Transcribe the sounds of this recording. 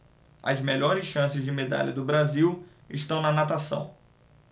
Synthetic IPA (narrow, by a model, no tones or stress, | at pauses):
ɐ̰zmeʎɔɾɪsʃɐ̃sɪzd͡ʒɪmed̪a̰ʎɐd̪ʊbɾaziw | ɪʃt̪ɐ̃w̃nɐnat̪asɐ̰̃w̃